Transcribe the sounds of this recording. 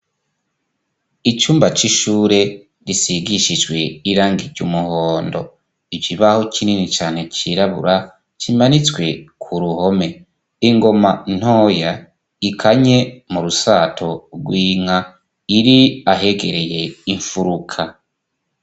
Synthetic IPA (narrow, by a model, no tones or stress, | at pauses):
it͡ʃuːmbat͡ʃiʃuːɾe̞ | ɾisiɡiʃid͡ʒɡwe̞iɾaːŋɡiɾɟumuhoːndo̞̰ | ivjiβahokʰininit͡ʃaːn̥he̞t͡ʃiɾaβṵɾa | t͡ʃimanit͡swe̞kʰuɾuho̞me̞ | iŋɡo̞man̥hoːja | ikʰaɲe̞muɾusaːtʰo̞ɡwiːŋa | iɾiaɦe̞ɡe̞ɾe̞je̞iɱfuɾukʰa